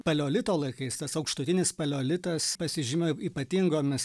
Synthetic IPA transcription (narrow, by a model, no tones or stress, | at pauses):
pɐlʲoːlʲɪt̪oːlˠɐɪkɐɪst̪ɐsɐʊkʃt̪ʊt̪ʲɪnʲɪspɐlʲoːlʲɪt̪ɐspɐsʲɪʒʲɪmʲoiːpɐt̪ʲiŋɡoːmʲɪs